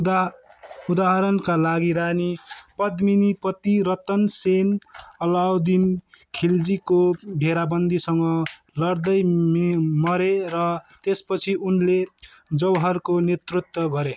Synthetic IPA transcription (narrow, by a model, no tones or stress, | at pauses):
ud̪aɦʌɾʌnkalaɡiɾanipʌd̪minipʌt̪iɾʌt̪ʌnsenʌlawd̪inkʰild͡zikobʱeɾabʌnd̪isʌŋɡʌ | lʌrd̪ʌjmmʌɾeɾʌt̪espʌt͡sʰiʔunle | d͡zʌwɦʌrkonet̪rut̪wʌɡʱʌɾe